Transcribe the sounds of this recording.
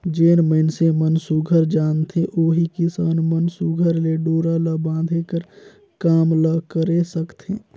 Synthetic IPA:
d͡ʒeːnməɪnsemənsuɡʱəɾd͡ʒaːnt̪eʔoːɦikɪsaːnmənsuɡʱəɾleɖoːɾaləbãːd̪ʱekəɾ | kaːmləkəɾesəkt̪ẽː

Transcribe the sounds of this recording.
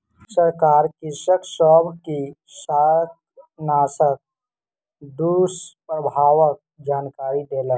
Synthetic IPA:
səɾkaːɾkɪsəksɔːbʱki | saːt̪ | naːsək̚ | d̪uːspɾəbʱaːʋək̚d͡ʒaːnkaːɾid̪eːla

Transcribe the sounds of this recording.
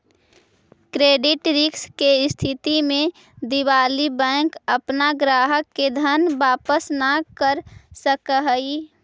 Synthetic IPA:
kɾeːɖɪʈɾɪkskeɪst̪ʰɪt̪imẽ | d̪iwaːlibɛ̃ːŋkəpnaɡɾaːɦəkːed̪ʱənbaːpəsnakəɾsəkəɦəi

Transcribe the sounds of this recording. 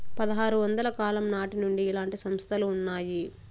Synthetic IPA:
pɐd̪ɐɦaːɾuʋɐnd̪ɐlɐkaːlɐmnaːʈinuɳɖiːlaːɳʈisɐmst̪ʰɐluːnːaːji

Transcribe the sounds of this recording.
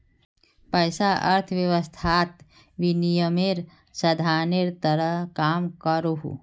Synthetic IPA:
pɐjsaʔɐɾt̪ʰʋjɐʋəst̪ʰaːt̪ | ʋinijəmeɾ | sɐd̪ʱaːneɾt̪ɐɾəɦkaːmkəɾuɦṵ

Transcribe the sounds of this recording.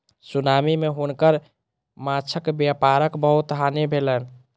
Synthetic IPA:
sunamimeɦunkəɾ | mat͡ʃʰəkbjapaɾəkbəɦut̪ɦanebʱelən

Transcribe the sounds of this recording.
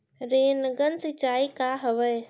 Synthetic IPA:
ɾeːnəɡənsɪt͡ʃaːikaːɦəʋəj

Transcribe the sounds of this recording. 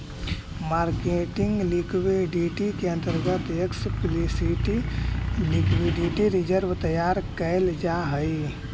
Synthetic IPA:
maːɾkeːʈɪ̃ŋɡlikweɖiʈikeɐ̃nt̪əɾɡət̪jəksplisiʈ | lɪkwiɖiʈiɾɪd͡ʒəɾʋt̪əjaːɾkəeld͡ʒaɦəi

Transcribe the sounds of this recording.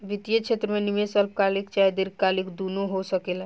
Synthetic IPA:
ʋit̪ijət͡ʃʰet̪ɾəmenimesəlp̚kalikt͡ʃajd̪iɾkalikd̪unoɦosəkel

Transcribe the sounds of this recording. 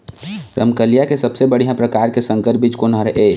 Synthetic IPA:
ɾʔə̰mkəljakesɐbsebəɽ̤ijãpɾəkaːɾkesə̃ŋkəɾpɪd͡ʒkonãɾəʔeː

